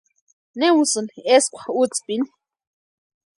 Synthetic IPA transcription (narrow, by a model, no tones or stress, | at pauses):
neusɨneskʷḁut͡spin